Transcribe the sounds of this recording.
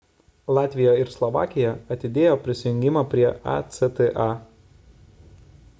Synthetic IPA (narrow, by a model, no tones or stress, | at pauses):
lˠɑːt̪ʲʋʲɪjoɪɾslˠɔʋɑ̰ːkʲɪjɛɐt̪ʲɪd̪ʲeːjoːpʲɾʲɪsʲɪjʊŋʲɡʲɪmɑːpʲɾʲiɛʔɑ̰t̪sʲɛt̪ɛʔɑ